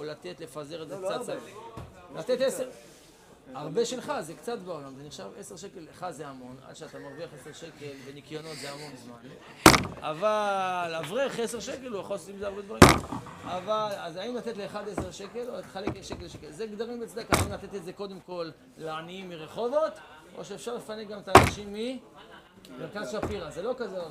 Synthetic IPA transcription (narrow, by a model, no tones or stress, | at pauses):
olat̪e̞t̪le̞fazeʁezekt͡sat | lat̪et̪eseʁ | aʁbe̞ʃelχazekt͡sat̪beo̞lamze̞niχʃave̞se̞ʁʃeke̞leχad̪zeamo̞na̰d̪ʃeat̪amaʁviaχese̞ʁʃeke̞lve̞nikjo̞no̞t̪zeamo̞nzman | a̰valavʁeχese̞ʁʃeke̞luaχossimzeaʁbed̪vaʁimavalazaimlat̪et̪le̞ːχad̪eseʁʃe̞ke̞loat̪e̥χalekeʃekelʃekelzeɡd̪aʁimbet͡sad̪akaaimlat̪e̞t̪ezeko̞d̪e̞mko̞lː | eaniimːiʁeχo̞vo̞t̪ | o̞̰ʃeefʃaʁlefaneɡamet̪aːnaʃimːi | miʁkazʃafiʁazelo̞kaze